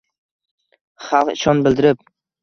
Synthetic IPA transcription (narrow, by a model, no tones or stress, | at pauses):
χɑlˠqɪ̰ʃɒnbɪld̪ɪɾɪp̚